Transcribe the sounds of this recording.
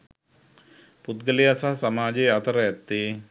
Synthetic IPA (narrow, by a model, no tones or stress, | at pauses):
put̪̚ɡəlejɐsasɐmaːd͡ʒeːɐt̪ɐɾɐɛt̪ːe